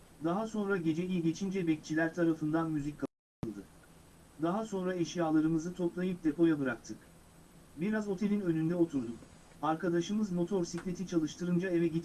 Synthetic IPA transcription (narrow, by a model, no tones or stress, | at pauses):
d̪aɦaso̞nɾaɟe̞d͡ʒejiɟe̞t͡ʃʰind͡ʒɛbɛc̚t͡ʃʰilʲæɾt̪ʰaɾafɯnd̪anmyzic̚ʲkʰa | ɯlˠd̪ɯ | d̪aɦaso̞nɾaeʃjaːlˠaɾɯmɯzɯt̪ʰo̞plˠajɯp̚d̪e̞pʰo̞jabɯɾak̚t̪ʰɯk | biɾazo̞t̪ʰe̞lʲinø̞nynd̪ɛo̞t̪ʰuɾd̪uk | aɾkad̪aʃɯmɯzmo̞t̪ʰo̞ɾsiclʲe̞t̪ʰit͡ʃʰalˠɯʃt̪ʰɯɾɯnd͡ʒaevɛɟit̪